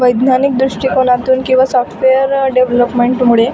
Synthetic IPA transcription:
ʋəjd̪nanik̚d̪ɾuʂʈikɔlãt̪uːnkĩw̃ʋasɔfʈ̪ʰʋejəɾɖeʋləpmeɳʈmuɭe

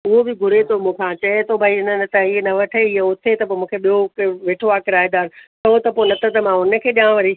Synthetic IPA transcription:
ʊɦobɪɡʱʊɾet̪ʰomũːkʰãt͡ɕɐet̪ʰobʱaiɪnənt̪aienɐʋɐʈʰeɪɦeʊt̪ʰet̪ɐp̬omũːkʰeɓijokʋeːʈʰoaːkɪɾaːɦɪ̃nd̪aːɪnsɐɦot̪ɐpoːnɐt̪ət̪əmãʊnə̆kʰeːɗiãːʋɐɾi

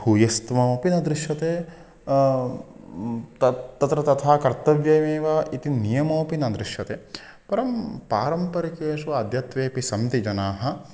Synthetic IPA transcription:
bʱuːjɐst̪ʋɐːpinɐd̪ɾɪʃjɐt̪eː | t̪ɐt̪ɐt̪ɾɐt̪ɐt̪ʰaːkɐɾt̪ɐʋjɐjmeːʋaːʔit̪inijɐmɐːpinɐd̪ɾɪʃjɐt̪eː | pɐɾɐmpaːɾɐmpɐɾɐkeːʃuɐd̪ʱjɐt̪ʋeːpisɐmt̪id͡ʒɐnaːɦɐ̆

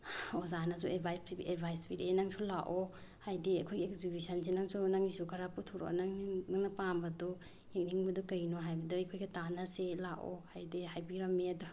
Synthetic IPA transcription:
ozanazuebʱajiedbʱajsbiɾenaŋsulaʔo | hajdiɐkʰojɡiekzibisɐnsinaŋsunaŋisukʰaɾaputʰuɾo̰naŋnaŋnɐpambɐdu | ek̚niŋbɐdukɐjnoɦajbɐduɐjkʰojɡɐtanaselaʔo̰hajdiɦajbiɾɐmːiɐdu

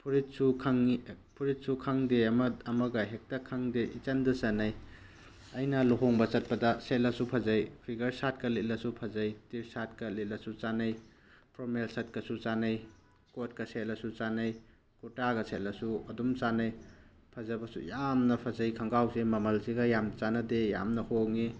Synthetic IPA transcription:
pʰuɾit̚sukʰaŋipʰuɾit̚sukʰaŋdeɐmɐɐmɐɡɐɦek̚tɐkʰaŋdeʔit͡ʃɐndɐsanɐj | ɐjnɐluɦoŋbɐt͡ʃɐt̚pɐdɐset̚lɐsupʰɐzɐjpʰiɡɐɾsat̚kɐlet̚lɐsupʰɐzɐjtiɾsatkɐlet̚lɐsut͡ʃanɐj | pɾomelsɐt̚kɐsut͡ʃanɐj | kot̚kɐset̚lɐsut͡ʃanɐj | kutaɡɐset̚lɐsuɐdumt͡ʃanɐj | pʰɐzɐbɐsṵjamnɐpʰɐzɐjkʰɐŋɡawsemɐmɐlsiɡɐjamt͡ʃanɐdeja̰mnɐhoŋi

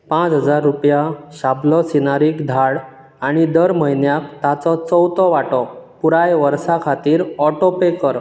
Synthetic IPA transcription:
pãt͡sɦəd͡zaɾːupjaɕablɔsinaɾiːkd̪ʱaɽ | aɽ̃id̪əɾməɦinjak̚t̪at͡sɔt͡sɔwt̪ɔʋaʈɔpuɾajʋəɾsakʰat̪iːɾɔʈopekəɾ

